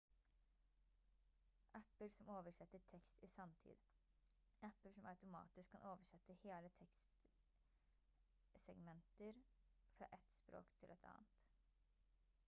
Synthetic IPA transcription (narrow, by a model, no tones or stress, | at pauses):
ʔæpəɾsɔmoːʋəʂɛt̪ːəʈʰɛkst̪isɑmt̪ʰḭːd̪ | ʔæpəʂɔmæɑʉt̪ʊmɑ̰ːt̪ɪskʰːɑnʔoːʋəʂɛt̪ːəheːlət̪ʰɛkst̪ | sɛɡmɛnt̪əɾfɾɑ̰ːʔɛt̪spɾo̰ːkt̪ʰɪlʔɛt̪ʰɑ̰ːnt̪